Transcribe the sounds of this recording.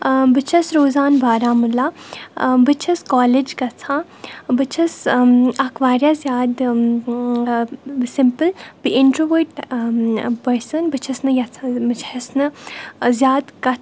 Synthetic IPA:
bɨt͡ʃʰɐsɾoːzaːnbʱaːɾaːmulaː | bɨt͡ʃʰɐskaːled͡ʒkɐt͡sʰãː | bɨt͡ʃʰɐsakʰʋaːɾjazʲjaːd̪ | simpɨlbiʔɪɳʈɾoʋəːʈ | pɐɾsɐnbɨt͡ʃʰɐsnɨjɐt͡sʰãbɨt͡ʃʰɐsnɨzjaːd̪kɐt̪ʰ

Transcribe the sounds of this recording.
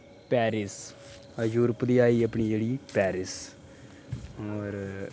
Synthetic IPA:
pɛːɾɪs | juːɾəpd̪iːaːiːəpɳiːd͡ʒeːɽiːpɛːɾɪs | ɔːɾ

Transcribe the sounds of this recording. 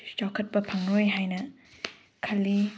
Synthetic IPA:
d͡ʒawkʰɐt̚pɐpʰaŋɾojɦajnɐ | kʰɐlːi

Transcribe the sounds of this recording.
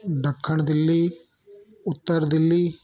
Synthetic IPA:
ɖɐkʰːəɳd̪ɪlːi | ʊt̪ːəɾd̪ɪlːi

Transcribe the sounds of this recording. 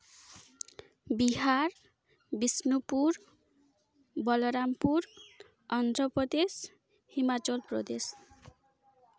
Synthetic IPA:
biɦaɾ | bisnupuɾ | bʌlʌɾampuɾ | ʌnd̪ɾʌpɾʌd̪es | himat͡sʌlprʌ̰d̪es

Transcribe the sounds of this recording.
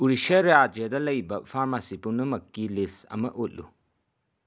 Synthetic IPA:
uɾiʃɐɾad͡ʒɐdɐlɐjbɐpʰaɾmasipuɾnɐmɐkːilisɐ̰mɐʔut̚lṵ

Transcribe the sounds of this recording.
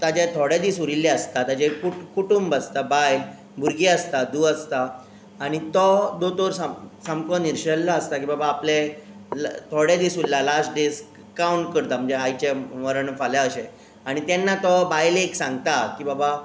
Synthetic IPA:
t̪ad͡ʑet̪ʰoɽjad̪iːsuɾilːɛəst̪at̪ad͡ʑekuʈkuʈumbəst̪abajl | bʱuɾɡeəst̪ad̪uːəst̪aː | ɽ̃it̪ɔd̪ot̪oɾsasamkɔniɾɕəllaəst̪akibabaːple | lt̪ʰoɽjad̪iːsullalasʈɖes | kauɳʈ̚kəɾt̪am̤əd͡zeajt͡ɕeməɾəɳfaljaəɕẽ | aɽ̃it̪janːat̪ɔbajleksãŋɡt̪akiːbaba

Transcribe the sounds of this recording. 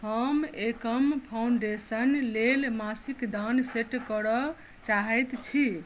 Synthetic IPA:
həmekəmpʰawɳɖesənlelmasikd̪anseʈkɔɾɔ | t͡ʃaɦɛjt̪t͡ʃʰi

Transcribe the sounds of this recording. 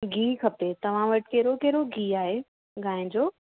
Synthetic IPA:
ɡʱiːkʰɐpet̪ɐʋ̤ãʋɐʈkɛːɾokɛːɾoɡʱiːaːɦe | ɡaːɪ̃d͡ʑoː

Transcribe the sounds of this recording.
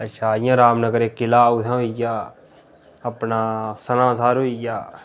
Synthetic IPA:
əʃʰaːɪjãːɾaːmnəɡəɾeːkɪlaːʊt̪ʰãːijaː | ɐpnaːsənãːs̬aːɾoijaː

